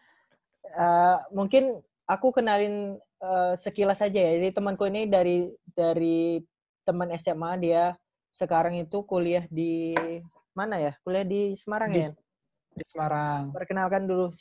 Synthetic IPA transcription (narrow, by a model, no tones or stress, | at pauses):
əmuŋkɪn | akukənalɪn | əsəkilasad͡ʒajad͡ʒadit̪əmənkuinidaɾidaɾi | t̪əmənɛsɛmadia | səkaɾaŋit̪ukoliahdi | manajakoliahdisəmaɾaŋa | disəmaɾaŋpərkənalkandulu